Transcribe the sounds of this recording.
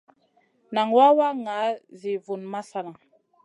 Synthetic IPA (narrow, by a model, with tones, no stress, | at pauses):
na˨ŋwa˦wa˦ŋa˨˦zi˨vu˨nma˦sa˦na˨